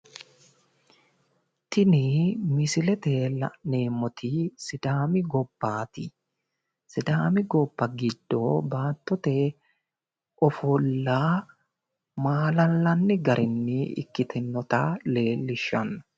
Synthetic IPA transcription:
t̪ɪnimɪsɪlɛt̪eːlɐ̰neːmːɔt̪ʰiːsɪd̪aːmɪɡɔbːaːt̪ɪ | sɪd̪aːmɪɡɔbːɐɡɪd̪̥ːoːbaːt̪ːɔt̪eː | ɔfɔlːaː | maːlɐlːɐnːɪɡɐɾʔɪnːɪɪ̰kːɪt̪ʰɛnːɔt̪aːle̞ːlːɪʃːɐn

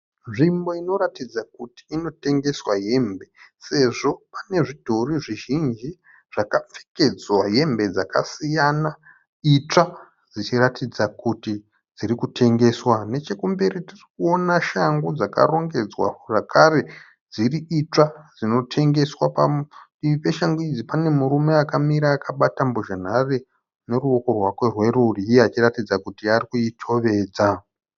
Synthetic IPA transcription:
ʐimbo̞ino̞ɾatid͡zakuti̥ːno̞te̞ŋɡe̞swaɦe̞ːmbe̞se̞ʐo̞pane̞ʐidʱo̞riʐiʒind͡ʒi | ʐ̥akap͡fe̥ke̞d͡zwaɦe̞mbe̞d͡zakasijana | it͡ʂa | d͡zit͡ʃiratid͡zakuti | d͡ziɾikutʰe̞ŋɡe̞swane̞t͡ʃe̞kumbe̞ɾitirikuonaʃaŋɡod͡zaka̰ro̞ŋɡe̞d͡zwa̰ʐakʰare̞ | d͡ziriit͡ʂad͡zino̞tʰe̞ŋɡe̞swapaiipe̞ʃaŋɡuid͡zipane̞muɾumeakamiɾaːkaɓatamboʒan̤are | ne̞ruo̞ko̞rwakwe̞rwe̞ruriːjeat͡ʃiratid͡zakutiarikuitʰo̞ʋe̞ːd͡za

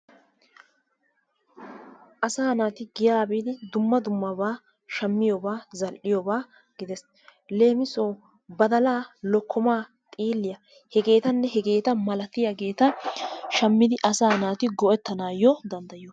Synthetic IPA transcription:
ʔɐsaːnaːt̪ɪɡɪjaːbiːd̪ɪd̪ʊmːɐd̪ʊmːɐbaː | ʃɐmːɪjɔbaːzɐlʔɪjɔbaː | ɡ̥ɪd̪ɛs | le̞ːmɪsoː | bɐd̪ɐlaːlɔkʰːɔmaː | t̪ʼiːlːɪjɐ | hɛɡe̞ːt̪ɐnːɛɦɛɡe̞ːt̪ɐmɐlɐt̪ːɪjɐɡe̞ːt̪ɐʃɐmːɪd̪ɪʔɐsaːnaːt̪ɪɡɔʔɛt̪ːɐnaːjːɔd̪ɐnd̪ɐjɪjɔ

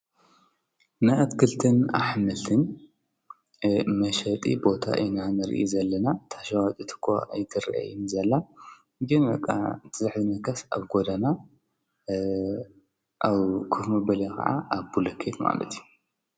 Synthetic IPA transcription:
naɐt̪kʰɨlt̪ʰɨna̰ħmɐlt̪ʰɨn | mɐʃɐt̪ʼḭbo̞t̪ʰa̰ʔɨ̰nanɨɾʔḭzɐlːɐnat̪ʰaʃawat̪ʼɨt̪ʰɨ̥kʰːo̰ʔajt̪ʰɨɾʔa̰jinzɐlːa | ɡɨnbɐkʼːa̰t̪ʰɨzɨħzɨnɐkʰɐsa̰βɡod̪ɐna | ʔaβkʰufmɐbɐlakʰɐ̰ʕa̰ʔaβbulɐkʰet̪ma̰lɐ̰t̪ʰiju

